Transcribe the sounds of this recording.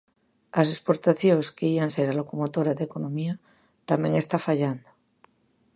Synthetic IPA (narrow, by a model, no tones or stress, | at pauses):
as̬espo̞ɾt̪aθjoŋskeianse̞ɾalo̞komot̪o̞ɾaðekonõ̞mia | t̪amjeŋe̞st̪afaʎand̪o